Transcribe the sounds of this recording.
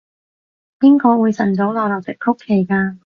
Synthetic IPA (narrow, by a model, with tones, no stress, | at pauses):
piː˥ŋkɔː˧wuː˨˧jsɐ˨˩nt͡so˨˥wlɔː˨˧lɐ˨w̚t͡sɪ˨kʰːʊ˥kʰːe˨˩jkaː˧